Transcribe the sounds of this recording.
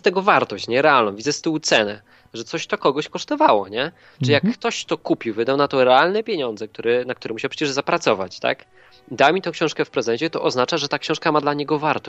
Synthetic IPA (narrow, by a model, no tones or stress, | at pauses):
st̪ɛɡɔvaɾt̪ɔɕt͡ɕɲɛɾɛalnɔ̃w̃vʲid̪zɛst̪ɘwut̪sɛnɛ | ʐɛt̪sɔɕt̪ɔkɔɡɔɕkɔʂt̪ɔvawɔɲɛ | ʈ͡ʂɨijakːt̪ɔɕt̪ɔkupʲiwvɘd̪awnat̪ɔɾɛalnɛpʲjeɲɔnd̪zɛk̚t̪uɾɛnak̚t̪uɾɛmuɕɛpʂɛt͡ɕɛʐzapɾat̪sɔva̰t͡ɕt̪a̰k | d̪amʲit̪ɔ̃w̃kɕɔ̃w̃ʂkɛfpɾɛzɛɲt͡ɕɛt̪ɔʔɔznat͡ʂaʐɛt̪akɕɔ̃wʂkamad̪laɲɛɡɔvaɾt̪ɔ